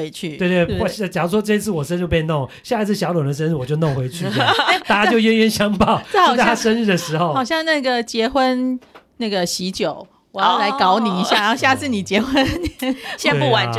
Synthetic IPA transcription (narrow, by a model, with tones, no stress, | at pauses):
e˧˦ɪt͡ɕʰy˥˩we˥˧˨t̪e˥˩˥t͡ɕjɑ˨˩u˥˩ʂwɔ˦ʈ͡ʂɤ˧i˥t͡sʰɹ̩˥˩wɔ˨˩ʂə˥˦no˥˧ʊp̬jɛ˥˧no˥˩ŋ˨ɕja˥˧i˥t͡sʰɹ̩˥˩ɕjɑ˧˥ʊlə˨˩ə˦ʂə˦nɻ̩˥˩wɔ˨˩t͡ɕjo˥˧ʊno˥˩ŋxwe˧˥ɪt͡ɕʰy˥˩˨t̪a˥˩t͡ɕja˥t͡ɕjo˥˧ʊɥɛ˥nɥɛ˥˨nɕjɑ˥ŋpɑ˥˨ʊa˥˩˥t̪ʰa˥ʂə˥˦nɻ̩˥˩d̪ə˩ʂɻ̩˧˦xo˨ʊɑ˨˩ʊɕjɑ˥˧ŋna˥˩ɡə˩t͡ɕjɛ˧˥xwə˦nna˥˩ɡə˩ɕi˧˥t͡ɕjo˨˩˦ʊ | wɔ˨˩jɑ˥˩la˧˦ɪkɑ˧˥ʊni˨˩i˧˥ɕja˥˩˨ɻa˧˥o˥˧ɕja˥˧t͡sʰɹ̩˥˩ni˨˩t͡ɕjɛ˧˥xwə˦n˦ | ɕju˥˨wa˨˦